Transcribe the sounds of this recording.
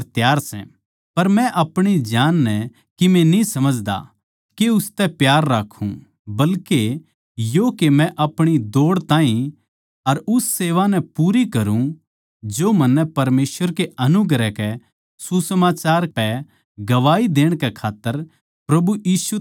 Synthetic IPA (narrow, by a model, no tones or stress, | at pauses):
t̪jaːɾsɛ̰̃ | pɐɾmɛ̃ʔɐpɽ̃id͡ʒaːnːɛ | kimɛ̃nisɐməd͡ʒd̪a̰ | keʊst̪ɛpjaːɾːaːkʰũ | bɐlke | joːkemɛ̃ʔɐpɽ̃id̪oːɽt̪ãːɦĩ | ɐɾʊsːeːʋanɛpuːɾikɐɾũ | d͡ʒomɐnːɛpɐɾmeːsʋəɾkeɐnʊɡɾɛkɛ | susəmaːt͡ʃaːɾpɛ | ɡɐʋaːid̪eːɽ̃kɛkʰaːt̪ːəɾ | pɾɐbujiːsu